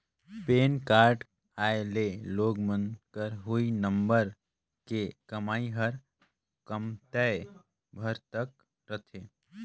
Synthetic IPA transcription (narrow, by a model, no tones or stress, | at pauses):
peːnkaːɾɖ | aːeleloːɡmə̃nd̪kəɾɦuinə̃mbəɾ | kekəmaːiɦəɾ | kəmt̪ɛ | bʱəɾt̪ək | ɾət̪ʰeː